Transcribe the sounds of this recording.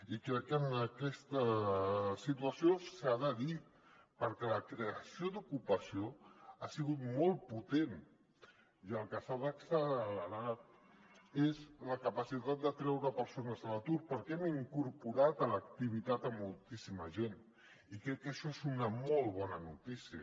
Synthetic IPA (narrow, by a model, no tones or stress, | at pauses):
ikɾɛkːənəkɛst̪ə | sit̪uəsiosaðəði | pəɾkɛləkɾeəsiod̪ukupəsioasiɣut̪mɔlˠput̪en | iəlˠkəsaðəksəlləɾat̪̚ | ezləkəpəsit̪at̪̚d̪ət̪ɾɛwɾəpəɾsonəzələt̪uɾpəɾkɛɛmiŋkuɾpuɾat̪ələk̚t̪iβ̞it̪at̪əmːulˠt̪isiməʒen | ikɾɛkːəʃɔezunəmɔlˠβɔnənut̪isiə